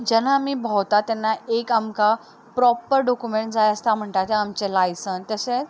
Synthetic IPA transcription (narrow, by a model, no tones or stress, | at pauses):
d͡ʑɛnaːmiːbʱɔwt̪at̪ɛnːaekamka | pɾɔpəɾɖɔkumeɳʈ̚d͡zajəst̪am̤əɳʈ̪at̪eamt͡ɕelajsənt̪əse